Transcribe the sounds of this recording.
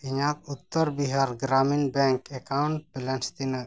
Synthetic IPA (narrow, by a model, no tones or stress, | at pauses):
iɲakut̪ːəɾbiɦaɾɡɾaminbɛ̃ŋkɛkawɳʈ̚bɛlɛnst̪inə